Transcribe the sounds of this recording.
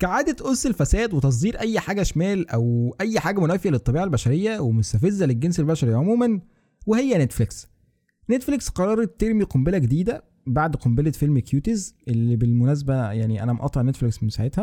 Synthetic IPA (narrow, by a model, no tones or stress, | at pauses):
kæʕaːd̪æt̪ʔosːelfæsæːd̪wet̪ɑs̬ˤd̪iːɾʔæjːħaːɡæʃmæːlʔæwʔæjːħaːɡæmonæːfejælet̪ˤːɑbiːʕalbæʃæɾejːæwemost̪æfezːæleɡːenselbæʃæɾʕomuːmæn | wehejːænet̪fleks | net̪fleksqɑɾˤɑːɾˤet̪ːeɾmiqombelæɡed̪iːd̪æ | baʕd̪qombelefelmkjuːt̪ezʔelːibelmonæːs̬æbæjaʕniʔæ̰næmʔɑ̰t̪ˤːɑʕnet̪fleksmemsaʕet̪hæ